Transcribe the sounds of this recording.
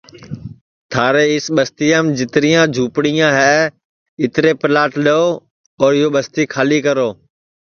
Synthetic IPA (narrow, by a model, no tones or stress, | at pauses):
t̪ʰaːɾeːɪsɓəst̪iːəːmd͡ʒɪt̪ɪɾijãːd͡ʒʱuːpɽijãːɦɛː | ɪt̪ɪɾeːpɪlaːʈɗoː | ɔːɾɪɦoːɓəst̪iːkʰaːliːkəɾoː